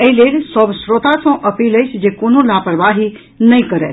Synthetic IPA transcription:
əilelsɔbsɾot̪asɔ̃ʔəpiləjsd͡ʒekonõlapəɾʋaɦi | nəĩkəɾe

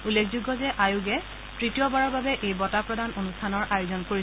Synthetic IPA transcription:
ulːekʰzuɡːɔzɛʔajuɡɛ | tɹitijɔbaɹɔɹbabɛʔejbɔtapɹɔdanonustʰanɔɹʔajozɔnkoɹi

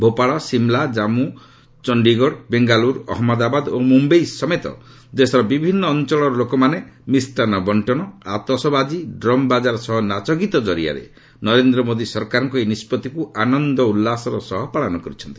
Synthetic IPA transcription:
bʱopaɭɔsimlad͡ʒamu | t͡ʃɔɳɖiɡɔɽbeŋɡaluɾɔ̰ɦmɔd̪abad̪omumbejsɔmet̪ɔ̰ | d͡ʒesɔɾɔbibʱinːɔːnt͡ʃɔɭ̃ɔɾɔlokɔmanemisʈanɔbɔɳʈɔɽ̃ɔa̰t̪ɔsɔbad͡ʒiɖɾɔmbad͡ʒaɾɔsɔɦɔnat͡ʃɔkit̪ɔd͡ʒɔɾia̰ɾḛ | nɔɾend̪ɾɔmod̪isɔɾkaɾɔŋkɔenispɔt̪ikuanɔnd̪ɔulːasɔɾɔsɔɦɔpaɭɔnɔkɔɾit͡ʃʰɔnt̪i̥

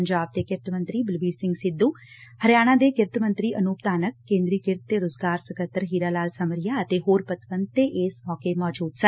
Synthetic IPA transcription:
əɲd͡ʒaːb̚t̪eːkɪɾt̪mə̃nt̪ɾiːbɪlʋiːɾsɪ̃ŋɡsɪd̪ːuː | həɾɪjaːɽ̃ãːd̪eːkɪɾt̪mə̃nt̪ɾiːʔənuːpt̪aːnək̚ːẽːnd̪ɾiːkɪɾt̪ːeːɾoːzɡaːɾsəkət̪ːəɾɦiːɾaːlaːlsəməɾɪjaːət̪eːɦoːɾpət̪ʋənd̪̚t̪eːʔɪːsmɔːkeːmɔːd͡ʒuːd̪sə

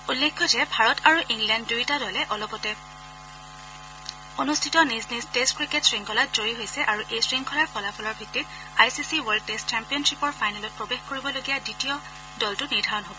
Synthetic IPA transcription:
ulːekʰːɔzɛbʱaɹɔtaɹuʔiŋlɛndːujtadɔlɛʔɔlɔpɔtɛ | onustʰitɔniznistestkɹiketsɹiŋkʰɔlatzojiɦojsɛʔaɹuʔejsɹiŋkʰɔlaɹpɔlafʰɔlɔɹbʱitːit̚ | ajsisiwɔɹd̚testt͡ʃɛmpijɔnsipɔɹfajnalɔt̚pɹobexkoɹibɔloɡijaditijɔ | dɔltʊniɹdʱaɹɔnɦobɔ

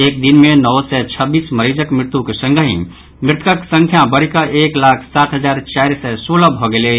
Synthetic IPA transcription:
eːk̚d̪inmẽnɔwsɛt͡ʃʰəbiːsməɾid͡ʒəkmɾɪt̪ukesə̃ŋɡəɦḭ̃ | mɾɪt̪ʰkəksə̃ŋkʰjabəɾikaʔeːklaːkʰsaːt̪ʰɦəzaːɾt͡ʃaːɾsɛsoːləbʱoɡele

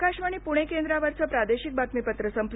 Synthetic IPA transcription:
kaɕʋaɽ̃ipuɽ̃ekend̪ɾaʋəɾt͡səpɾad̪eɕik̚bat̪mipət̪ɾəsəmpl

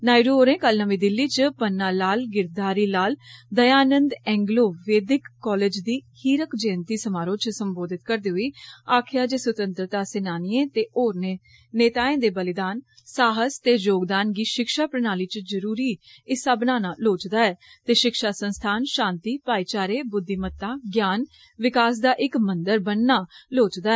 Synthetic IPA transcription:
naːiɾooːɾẽːkəlnəʋĩːd̪ɪlːiːt͡ʃpənːaːlaːlɡɪɾd̪aːɾiːlaːld̪əjaːnənd̪ɛ̃ːŋɡloːʋeːd̪ɪkːɔːleːd͡ʒd̪iːhiːɾəkd͡ʒɛ̃ːnt̪iːsəmaːɾõːt͡ʃsəmboːd̪ɪt̪kəɾd̪eːɦʊiːaːkʰɪjaːd͡ʒeːsʊt̪ə̃nt̪ɾət̪aːsɪnaːnɪẽːt̪eːʔoːɾnẽː | neːt̪aːẽːd̪eːbəlɪd̪aːn | saːɦəst̪eːd͡ʒoːɡd̪aːnɡiːʃɪkʃaːpɾənaːliːt͡ʃd͡ʒəɾuːɾiːɪsaːbənaːnaːloːt͡ʃd̪aːɛː | t̪eːʃɪkʃaːsənst̪ʰaːnʃãːnt̪iːpaːiːt͡ʃaːɾeːbʊd̪ːiːmət̪ːãːɡjaːn | ʋɪkaːs̬d̪aːʔɪkmənd̪əɾbənːaːloːt͡ʃd̪aːɛ

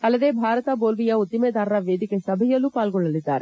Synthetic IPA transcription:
ɐlːɐd̪eːbʱaːɾɐt̪ɐboːlʋijɐut̪ːimeːd̪aːɾɐɾɐʋeːd̪ikesɐbʱɐjɐlːupaːlɡɔɭːɐlid̪ːa̰ːɾe

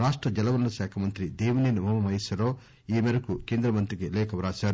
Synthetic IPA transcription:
ɾaːʂʈɾɐd͡ʒɐlɐʋɐnːɐʃɛːkʰɐmɐnt̪ɾid̪eːʋuneːnumʱɐmɐmɐjisɐɾoː | iːmɐɾɐkukeːnd̪ɾɐmɐnt̪ɾikilɛːkʰɐʋɾaːʃaː

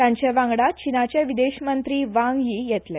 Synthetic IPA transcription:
t̪jaɲt͡ɕeʋãŋɡɽat͡ɕinat͡ɕjeʋid̪eɕmənt̪ɾiːʋãŋɡjiːjɛt̪le

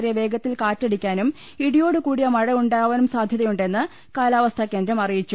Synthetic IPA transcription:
ɾijɐʋe̞ːɡɐt̪ːilkaːtːeɽikʲːaːnum | iɽijo̞ːɽɨkuːɽijɐmɐɻɐuɳɖaːʋɐnumsaːd̪ʱjɐðɐjuɳɖe̞nːɨ | kaːlaːʋɐst̪ʰɐkːe̞ːnd̪ɾɐmɐrijit͡ɕːu

